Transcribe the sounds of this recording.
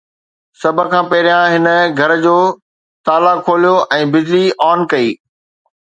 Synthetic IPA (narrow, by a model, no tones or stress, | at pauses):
sɐbʱə̆kʰãːpɐɦɾijãɦɪnə̆ɡʱɐɾəd͡ʑoː | t̪aːlakʰoːlijoʔɛ̃ːbɪd͡ʑliʔɔːnkɐiː